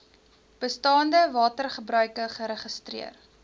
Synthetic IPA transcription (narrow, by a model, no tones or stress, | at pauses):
b̥əstɑːndəvɑːtərχəbrœɥkəχəɾəχəstrḭər